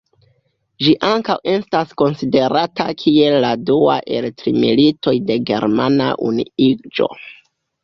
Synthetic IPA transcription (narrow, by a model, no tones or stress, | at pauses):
ʒiʔaŋkawe̞stasko̞nside̞ɾatakʰie̞lːadua̰ʔe̞ltɾḭmḭlito̞jde̞ɡe̞̰ɾmana̰ʔṵnḭid͡ʒo̞̰